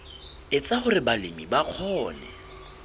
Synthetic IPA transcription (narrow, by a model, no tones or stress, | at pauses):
ɪt͡sʼahʊrɪbalɪmibaq͡χʰɔːnɛ̰